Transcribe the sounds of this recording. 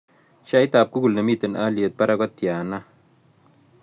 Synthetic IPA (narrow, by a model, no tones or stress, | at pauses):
ʃait̪aːp̚kukulnɐmit̪ənaliət̪̚paɾakɔt̪jaːna